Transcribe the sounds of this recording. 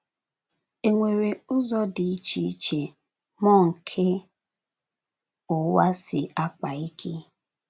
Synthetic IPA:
e˨ŋʷe˨ɾe˨ʊ˦zɔ˦di˨i˦t͡ʃi˦i˦t͡ʃe˨ | mɔ˦˨ŋ̩˨kʰe˦ | ʊ˨wa˦sɪ˨a˦k͡pa˨i˦kʰe˦

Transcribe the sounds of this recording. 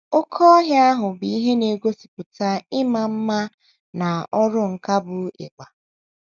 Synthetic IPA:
ʊ˦kʰɔ˦ɦja˦ɦʊ˨bi˨i˦ɦe˦ne˨ɡʷo˦si̥˨pʊ˨ta˦ɪ˦ma˨m̩˦ma˦ | na˨ɔ˦ɾʊ˦ŋ̩˨ka˦bʊ˨ḛ˨k͡pa˨

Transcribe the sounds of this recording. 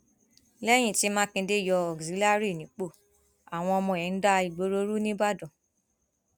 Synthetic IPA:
lɛ˦j̃ĩ˦˨ti˦mãː˦kĩ˧de˦˨jɔ˧ɔ˨ɡzi˨˦la˦˨˦ɾi˦˨nĩ˨˦k͡po˦˨ | a˨w̃ɔ̃˧ɔ˧mɔ̃˧˨ɛ̃˨˧n̩˦da˦˧i˨ɡ͡bo˨˦ɾo˧˦ɾu˦nĩ˦ba˦˨dɔ̃˨

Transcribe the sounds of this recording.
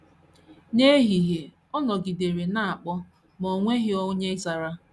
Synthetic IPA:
ne˦ɦi˨ɦe˨ | ɔ˦nɔ˨ɡi˨de˨ɾe˨na˦a˨k͡pɔ˦ | mo˨ŋʷe˦ɦɪ˦o˦ɲe˦za˨ɾa˦

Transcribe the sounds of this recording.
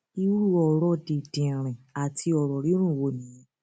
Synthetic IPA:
i˧u˦ɾu˦ɔ˨ɾɔ˧˦de˨dẽ˨ɾ̃ĩ˨a˨tʰi˧˦ɔ˨ɾɔ˨ɾi˦ɾ̃ũ˦˨wo˧˨nĩ˨˦˨

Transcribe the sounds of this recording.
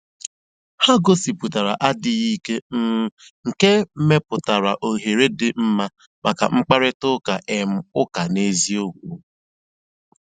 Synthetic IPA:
ha˦ɡo˦si˨pʊ˨ta˨ɾa̰˨ʔa˦dɪ˨ɣi˦ke˦m̩˦ŋ̩˨ke˦m̩˦me˦pʊ˨ta˨ɾa˨ʔo˨ɦe˨ɾe˦dɪ˨m̩˦ma˦ | ma˨ka̰˨ŋ͡m̩˦k͡pa˦ɾɪ˦tʊ˦ka˨ʔe˨m̩˦˨ʊ˦ka˨ne˦zi˦o˦ɡʷu˨

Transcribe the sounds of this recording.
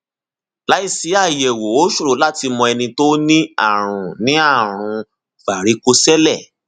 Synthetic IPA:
la˦i˦˨si˨˦a˦˨jɛ˨wo˨˦o˦ʃo˦˨ɾo˨˦la˦ti˧mɔ̃˧ɛ˧nĩ˧to˦nĩ˦a̰˦˨ɾ̃ũ˨nĩ˨˦a˦˨ɾ̃ũ˧ | fa˨ɾi˨˦ko˧sɛ˦lɛ˦˨

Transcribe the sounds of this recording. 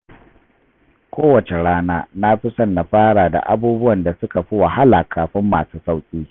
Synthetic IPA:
kʷoː˦wɐ˨t͡ʃe˨ɽaː˦naː˦na˦ɸɪ˦sɐ˦nːa˨ɸaː˦ɽa˨da̰˨ʔa˦buː˦bʊ˦wɐ˨nda˨sʊ˦ka˨ɸi˦wa˨ha˦laː˨kʰaː˨ɸɪ˦mːaː˨suː˦sa˦wkʲʼiː˦

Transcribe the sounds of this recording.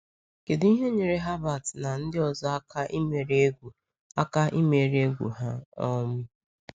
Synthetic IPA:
ke˨di˦ɦe˦ɲe˨ɾe˦ɦa˦ba˨tna˨n̩˦dɪ˦ɔ˨zɔ˦a˦ka˦i˦me˨ɾe˦ɡu˨ | a˦ka˦ʔi˦me˨ɾe˦ɡʷṵ˨ɦa˦ɔ˦mʊ˦

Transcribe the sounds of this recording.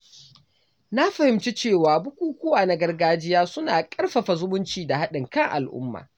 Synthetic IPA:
na˦ɸa˨hɪ˨mt͡ʃi˦t͡ʃeː˦˨waː˨bʊ˦kʷuː˦kʷʊ˦waː˨na˨ɡɐ˦rɡaː˦d͡ʒɪ˦jaː˦sʊ˦naː˨kʼɐ˦rɸɐ˨ɸa˨zʊ˦mʊ˦nt͡ʃiː˨da˨ha˦ɗɪ˨ŋkɐ˦ŋʔa̰˨lʔʊ̰˦mːa̰ː˨

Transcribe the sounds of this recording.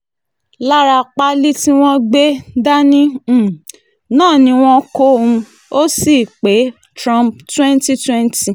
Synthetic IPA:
la˦ɾa˧k͡pa˦li˦ti˦w̃ɔ̃˦ɡ͡be˦da˦nĩ˦˨ | nãː˦˨nĩ˧˦w̃ɔ̃˦ko˦ũ˧ | o˦si˦˨k͡pe˨˦ | tɾã˦mptwɛ̃˦n˦ti˦twɛ̃˦nti˧

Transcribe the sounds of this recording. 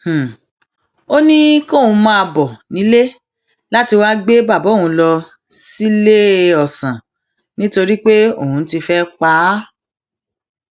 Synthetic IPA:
h̩˨ | o˦nĩ˦ko˦˨wũ˧mãː˦˧bɔ˨nĩ˨˦le˦ | la˦ti˧wa˦ɡ͡be˦ba˦˨bɔ˨˦˨ũ˨˧˦lɔ˧ | si˦le˦ɔ˨sã˨ | nĩ˦to˧ɾi˦k͡pe˦o̰˦˨hũ˧n̩˦ti˧fɛ˦k͡pa˨˦

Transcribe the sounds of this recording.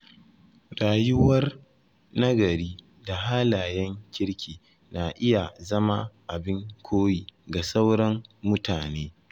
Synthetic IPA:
ɽaː˨jʊ˦wɐ˦r | na˦ɡɐ˨ɾiː˦ | da˨ɦaː˦laː˨jɛ˦ŋkʲɪ˦ɽkʲʰiː˨ | na˨ʔɪ˦ja˨zɐ˦ma˦ʔa˨bɪ˦ŋkʷʰoː˦jiː˨ɡa˨sa˦wɽɐ˦mmʊ˦taː˨neː˦

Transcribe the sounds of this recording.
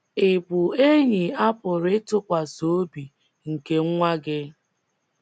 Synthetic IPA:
ɪ˨bʊ˨e˦ɲi˨a˦pʊ˨ɾɪ˦tʊ˦kʷa˨so˨˦bi˨ | ŋ̩˨ke˦ŋ˦ŋʷa˦ɡɪ˦

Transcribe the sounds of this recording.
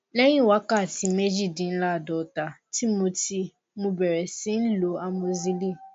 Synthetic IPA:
nɛ̃˦ɲĩ˦˨wa˨˦ka˦˨ti˨me˦d͡ʒi˦˨dĩ˨n̩˦la˦˨dɔ˨ta˨ti˦mõ˧ti˧ | mũ˨bɛ˨ɾɛ˨sĩ˦n̩˦lo˨a˨mo˨zi˦li˦˨

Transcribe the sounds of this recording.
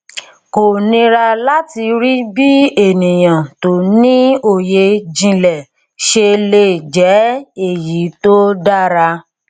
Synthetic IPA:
ko˨nĩ˧ɾa˧la˦ti˧ɾi˦bi˦e˦˨nĩ˨j̃ã˨to˨nĩ˦o˦˨je˧d͡ʒĩ˧lɛ˨ | ʃe˧le˦˨d͡ʒɛ˨˦e˦˨ji˨˦to˦da˦˨ɾa˧

